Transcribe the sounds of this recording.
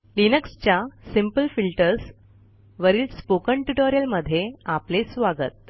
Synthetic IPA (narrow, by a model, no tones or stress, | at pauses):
linəkst͡ɕjasimpəlfilʈəɾs | ʋəɾiːlspokəɳʈuʈoɾjəlməd̪ʱːjeaplesʋaɡət̪̚